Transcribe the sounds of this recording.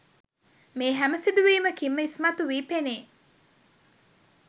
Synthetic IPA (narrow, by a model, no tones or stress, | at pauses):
meːɦæməsid̪uʋiːməkimːəismɐt̪uʋiːpeneː